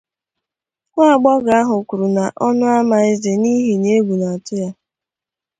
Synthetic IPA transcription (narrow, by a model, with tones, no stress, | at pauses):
ŋʷa˦˨ɡ͡bɔ˦ɡa˨a˦ɦʊ˨ku˨ɾu˨na˨ʔɔ˦nʊ˦a˦ma˨ɪ˦ze˨ni˦ɦi˨ne˦ɡʷu˨na˨tʊ˦ja˦